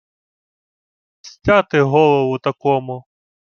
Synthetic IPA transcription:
sʲtʲat̪ɪɦɔlˠɔʋʊt̪ɐkɔmʊ

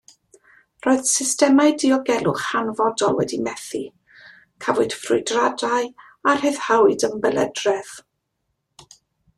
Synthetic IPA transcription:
rɔːɨð̥sɪstɛmajdiɔɡɛlˠʊχanvɔdɔlˠwɛ̰dimɛθi | kʰavʊd̥frʊ̰jdradaj | ar̥hɨðhawɨdəmbələ̰drɛð

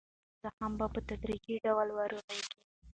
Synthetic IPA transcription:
zahambapət̪ad̪ɾid͡ʒiɖawlwaɾuɣajki

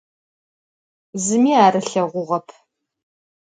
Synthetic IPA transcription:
zɨmiːaːɾɨɬɐʁʷʊʁɐpʰ

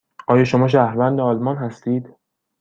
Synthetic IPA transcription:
ʔɒːjɒːʃo̞mɒːʃ̬æhɾvænd̪eɒːlmɒːnɦæst̪iːd̪

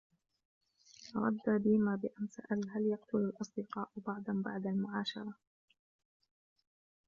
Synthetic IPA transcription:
ɾˤɑ̰d̪ːaːbɪmaːbɪʔansa̰ʔalɦaljɑqt̪ʊlalʔɑsˤd̪ɪqɑːʔʊbɑʕd̪ˤɑnba̰ʕd̪almʊʕɑːʃɑ̰ɾˤɑ

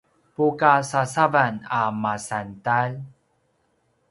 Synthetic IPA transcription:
pukasasavanamasantal

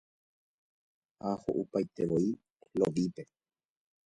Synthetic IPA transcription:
haho̰ʔupajt̪e̞ʋoi | loʋipe̞

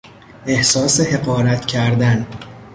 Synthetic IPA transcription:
ʔe̞hsɒːsehe̞ɢɒːɾæt̪ʰcʰæɾd̪æn

